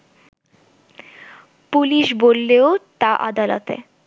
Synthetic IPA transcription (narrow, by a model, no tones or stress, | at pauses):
puliʃbolːeot̪aʔa̰d̪alo̰t̪ḛ